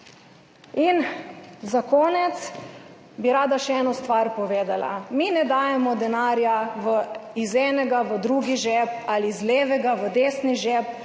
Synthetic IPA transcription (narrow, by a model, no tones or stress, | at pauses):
inzakoːnɛt̪s | biɾaːd̪aʃɛɛːnɔst̪ʋaɾpɔʋeːd̪ala̰minɛd̪aːjɛmɔd̪ɛnaːɾjaʋəizɛːnɛɡaʋəd̪ɾuːɡiʒɛpalizleːʋɛɡaʋəd̪eːsniʒɛːp